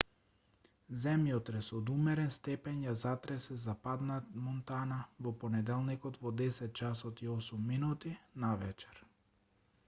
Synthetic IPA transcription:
zɛmjɔt̪ɾɛsɔd̪umɛɾɛnst̪ɛpɛnjazat̪ɾɛsɛzapad̪namɔnt̪anavɔpɔnɛd̪ɛlˠnikɔt̪vɔd̪ɛsɛt̪̚t͡ʃasɔt̪iɔsumːinut̪inavɛt͡ʃɛ̥ɾ

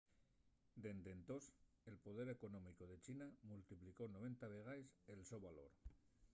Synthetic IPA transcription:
d̪e̞nd̪e̞nt̪o̞s | e̞lpo̞ðe̞ɾe̞ko̞nõmiko̞ð̞e̞t͡ʃinamult̪ipliko̞no̞β̞e̞nt̪aβeɣ̞ajse̞lso̞βalo̞ɾ

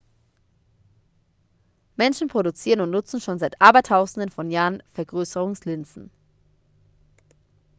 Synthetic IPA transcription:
mɛnʃn̩pʁ̥odʊt͡siːʁənʊntnʊt͡sn̩ʃoːnzaɪtʔaːbɐtʰaʊzn̩dənfɔnjaːʁənfɛɐɡʁøːsəʁʊŋslɪnt͡sn̩

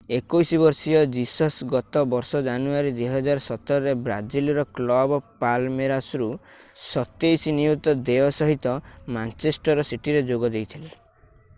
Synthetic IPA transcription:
ekojsiβɔɾsijɔd͡ʒisɔsɡɔt̪ɔbɔɾsɔd͡ʒanuaɾid̪weɦɔd͡ʒaɾɔsɔt̪ɔɾɔɾebɾa̰d͡ʒilɾɔklɔbɔpalmeɾasɾu | sɔt̪ejsiniut̪ɔd̪eɔsɔɦit̪ɔmant͡ʃesʈɔɾɔsiʈiɾed͡ʒoɡɔd̪ejt̪ʰile

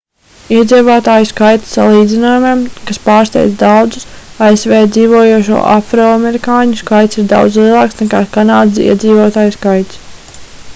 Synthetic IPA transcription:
iɛd̪ziːvaːt̪aːjuskajt̪sa̰lˠiːd̪zinoːjumemkaspɑːɾst̪ɛ̰jt̪d̪awd̪zusaesvɛːd̪ziːvoɔjuɔʃṵɔʔafɾoːameɾikaːɲuskajt̪siɾd̪a̰wd̪zlˠiɛlˠɑːksnɛkaːkanaːd̪sḭɛd̪ziːvoɔt̪aːjskajt̪s

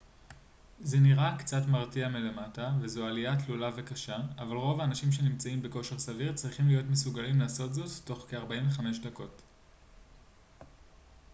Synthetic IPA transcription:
zeniʁakt͡satmaʁtiamile̞matavezoalijatlulave̞kaʃaːvalʁo̞vaːnaʃimʃe̞nimt͡saimbeko̞ʃe̞ʁsaviʁt͡sʁiχimlijo̞tmesuɡalimlaːso̞tzo̞tːo̞χkeaʁbaiɱveχame̞ʃdako̞t

